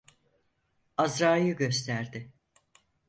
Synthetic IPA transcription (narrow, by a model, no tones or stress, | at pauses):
azɾaːjɯɟø̞st̪ʰæɾd̪ɪ